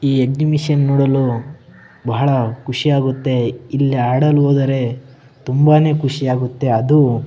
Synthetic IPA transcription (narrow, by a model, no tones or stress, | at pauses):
iːeɡ̚nimiʂɐnːoːɽɐlu | bɐɦɐɭɐkuʂijaːɡut̪ːe̞ilːiaːɽɐluɦoːd̪ɐɾe̞ | t̪umbaːne̞ːkʰuʂijaːɡut̪ːe̞ɐd̪u